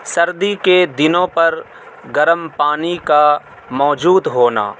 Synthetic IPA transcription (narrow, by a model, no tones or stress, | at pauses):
sɐɾd̪iked̪ɪnõpɐɾ | ɡɐɾəmpaːnika | mɔːd͡ʒuːd̪ɦoːna̰ː